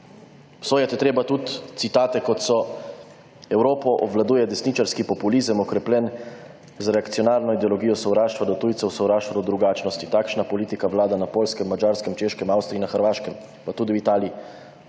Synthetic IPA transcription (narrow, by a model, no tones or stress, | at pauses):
wsoːjat̪ɛt̪ɾeːbat̪ut̪t̪sit̪aːt̪ɛkɔt̪sɔ | ɛwɾoːpɔʔɔ̰bʋlad̪uːjɛd̪ɛsnit͡ʃaɾskipɔpulizəmɔkɾɛplʲɛn | zɾɛakt̪sijɔnaːɾnɔid̪ɛɔlɔɡiːjɔsɔwɾaːʃt̪ʋad̪ɔt̪uːjt̪sɛwsɔwɾaːʃt̪ʋad̪ɔd̪ɾuɡaːt͡ʃnɔst̪it̪aːkʃnapɔliːt̪ikaʋlaːd̪anapoːlskɛmːad͡ʒaːɾskɛmt͡ʃeːʃkɛmawst̪ɾinaxəɾʋaːʃkɛm | pat̪uːd̪iwit̪aːliː